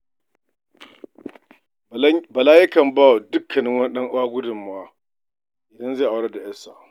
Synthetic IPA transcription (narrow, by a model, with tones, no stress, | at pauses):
bɐ˨laː˦jɪ˦kɐ˨mbaː˦˨wa˨dʊ˦kʰːɐ˨nɪ˦ŋwɐ˦nɗɐ˦ŋʔʊ˦aː˦ɡʷʊ˦dʊ˨mʊ˨˦aː˦ | ʔɪ˨dɐ˦nze˦˨ʔa˨wɽɐ˦da˨jɛ˦sa˨ʔ